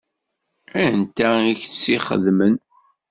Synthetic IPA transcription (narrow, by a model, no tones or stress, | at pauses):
ænt̪æiçt͡sːiχə̰ðmən